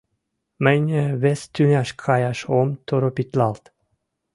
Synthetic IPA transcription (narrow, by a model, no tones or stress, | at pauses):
mənʲeβest̪ynʲæʃkʰɑjɑʃomt̪oɾopit̪lɑlt̪